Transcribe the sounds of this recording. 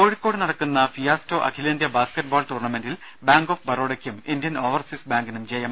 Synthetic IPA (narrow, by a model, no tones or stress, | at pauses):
koːɻikːo̞ːɽɨnɐɽɐkːunːɐfijaːsto̞ːʔɐ̰kʰilɐndijɐbaːskeʈ̚ːboːlʈuːrɳɐmendil | baːŋɡoːfbɐɾoːɽɐkʲːumindjɐnoːʋɐrsisbaːŋɡinumd͡ʑejɐm